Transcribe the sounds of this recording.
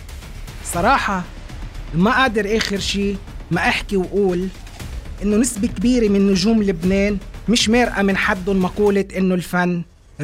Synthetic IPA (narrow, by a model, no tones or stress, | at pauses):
sˤɑɾˤɑːħɑ | maʔaːd̪ɑɾʔeːxɪɾʃiː | maʔaħkiwʔuːl | ʔɪnːonɪsbekbiːɾemɪnːʊʒuːmlɪbneːnmɪʃmeːɾʔamɪnħad̪ːʊnmɑquːlɪʔɪnːolfanː